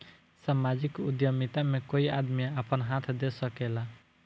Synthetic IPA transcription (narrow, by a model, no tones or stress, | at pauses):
samad͡ʒikud̪jəmit̪amekoiad̪mijaəpənɦat̪ʰd̪esəkela